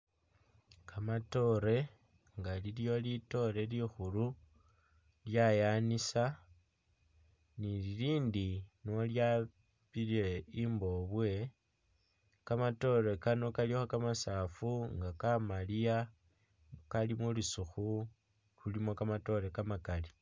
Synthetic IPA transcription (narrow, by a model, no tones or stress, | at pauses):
kʰamato̞ɾe̞ | ŋɡaliljo̞lito̞ɾe̞lixulu | ljajanisa | nililiːndinolja | βileimbo̞βwe̞ | kamato̞ɾe̞kano̞kalixakamasaːfuŋɡakamalija | kalimulusuxu | lulimo̞kamato̞ɾe̞kamakali